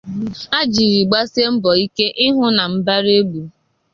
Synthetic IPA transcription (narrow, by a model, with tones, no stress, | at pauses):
a˦d͡ʒi˨ɾi˨ɡ͡ba˦se˦m̩˦bɔ˨i˦ke˦ʔɪ˦ɦʊ˦na˨m̩˦ba˦ɾe˦bu˨